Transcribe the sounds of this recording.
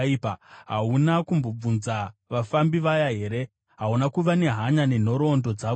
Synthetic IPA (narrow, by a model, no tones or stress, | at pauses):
ipaɦaunakumbo̞b͡vunzaʋafambiʋajaɦe̞ːɾe̞ | ɦaunakuʋane̞ɦaɲane̞n̤o̞ɾo̞ndo̞d͡za